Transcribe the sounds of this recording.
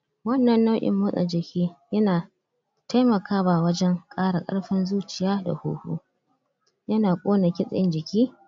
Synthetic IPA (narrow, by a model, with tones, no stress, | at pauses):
wɐ˦nːɐ˨nːɐ˦wʔʲʼɪ̰˨mːʊ˦sʼa̰˨d͡ʒɪ˨kʲʰiː˦jɐ˦naː˨ | ta˦jmɐ˨kaː˦baː˨wɐ˦d͡ʒɛ˦ŋkʼaː˦ɽa˨kʼɐ̰˦ɽɸɪ˦nzuː˦t͡ʃɪ˨jaː˦da̰˨hṵː˦hṵː˦ | jɐ˦naː˨kʷʼoː˦na˨kʲɪ˦sʼɪ˦nd͡ʒɪ˨kʲiː˦